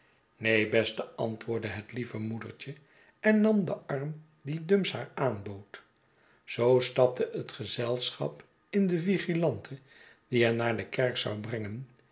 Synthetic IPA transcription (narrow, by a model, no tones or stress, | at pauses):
nejbɛstəɑ̰ntʋʊːɹdəɦətlivəmudə̰ɹt͡ʃə | ɛnːɑmd̪əɑrm | didɵmshaːɹaːnbowt | z̥owstɑp̚tʰəʔət̪χəzɛlˠsχɑ̰p | ɪndəviχilɑntʰə | d̥iɦɛnaːɹdəkɛɹksɑ̰wbrɛŋən